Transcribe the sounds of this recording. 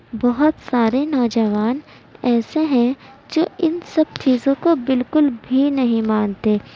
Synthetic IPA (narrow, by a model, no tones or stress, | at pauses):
bɔɦʊt̪saːɾenɔːd͡ʒəʋaːn | ɛːseɦɛ̃ | d͡ʒoːɪnsɐb̚t͡ʃʰiːzõkobɪlkʊlbʱinɐɦĩmãːnt̪eː